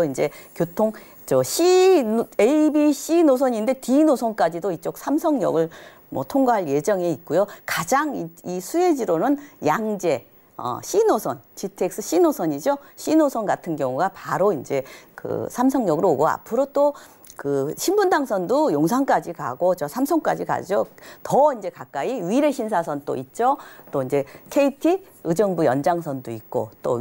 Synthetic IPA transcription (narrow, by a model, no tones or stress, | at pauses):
oind͡ʑe̞kjotʰoŋ | t͡ɕʌɕʰi | ebiɕ͈ʰinos̬ʰʌɲinde̞tinosʰʌnk͈ad͡ʑidoit͡ɕ͈ok̚sʰamsʰʌŋɲʌ̰ɡɯɭ | mwʌtʰoŋɡaɦaɭje̞d͡ʑʌŋe̞it̚k͈ojokad͡ʑaŋiisʰue̞d͡ʑiɾonɯnjaŋd͡ʑe̞ | ʌ̰ɕʰinosʰʌnt͡ɕitʰek̚s͈ɯɕ͈ʰinosʰʌɲid͡ʑoɕʰinosʰʌnɡatʰɯnɡjʌŋuɡapaɾoind͡ʑe̞kɯ̰sʰams̬ʰʌŋɲʌɡɯɾooɡoa̰pʰɯɾot͈o | kɯɕʰimbundaŋsʰʌndojoŋs̬ʰaŋk͈ad͡ʑika̰ɡot͡ɕʌsʰamsʰʌŋk͈ad͡ʑika̰d͡ʑotʌind͡ʑe̞kak͈aiɥiɾe̞ɕʰinsʰasʰʌnt͈o̰it̚t͡ɕ͈ot͈oind͡ʑe̞kʰe̞itʰi | ɯd͡ʑʌŋbujʌnd͡ʑaŋsʰʌndoit̚k͈o̰t͈o̰